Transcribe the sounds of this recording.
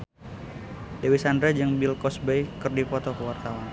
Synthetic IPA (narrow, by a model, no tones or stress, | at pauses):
dewisandɾad͡ʒɨŋbilkɔsbejkɨrdipɔt̪ɔkəwart̪awan